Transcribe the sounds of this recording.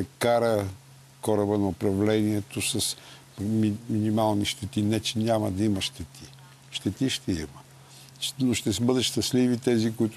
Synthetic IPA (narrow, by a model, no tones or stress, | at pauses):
ɛkaɾə | kɔɾəbənɐʊpɾɐvlɛniɛt̪osɐs | miminimalˠniʃt̪ɛt̪inɛt͡ʃɛnʲamɐd̪ɐimɐʃt̪ɛt̪ʰi̥ | ʃt̪ɛt̪iʃt̪ɛimə | noʃt̪ɛsəbəd̪ɐt̪ʃt̪ɐslivit̪ɛzikʊit̪ʊ